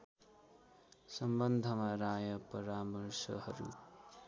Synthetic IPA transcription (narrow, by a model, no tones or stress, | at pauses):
sʌmbʌnd̪ʱʌmaɾajʌpʌɾamʌrsʌ̰hʌɾṵ